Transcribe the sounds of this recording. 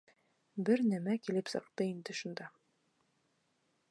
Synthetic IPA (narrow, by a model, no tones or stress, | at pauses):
bɘɾnæmækilɘpsɤ̰̆q̚t̪ɤind̪ɘʃund̪ɑ